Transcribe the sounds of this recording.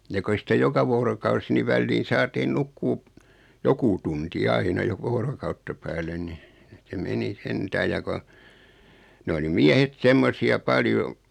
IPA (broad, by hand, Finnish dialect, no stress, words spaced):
jɑ ko ei sĭtæ jokɑ ʋoːrokɑusi ni ʋælːiːn̞ sɑːtiːn nukːuː joku tunti ɑinɑ jokɑ ʋoːrokɑutːɑ pæːlen ni se meni sentæːj jɑ ko n oli miæhet semːosiɑ pɑljo